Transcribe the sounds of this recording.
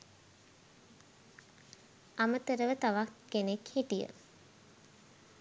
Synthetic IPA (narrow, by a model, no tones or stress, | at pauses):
amət̪əɾəʋət̪aʋakɡ̥enekhiʈijə̰